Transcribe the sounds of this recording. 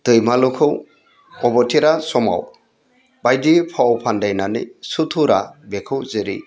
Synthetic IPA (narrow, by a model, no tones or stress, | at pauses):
d̥ɯjmalukʰɯw | ɔbɔtʰiɾasɔma̰w | bajdipʰawpʰandajnanɯ̰sutʰuɾabekʰɯwzɯɾḭ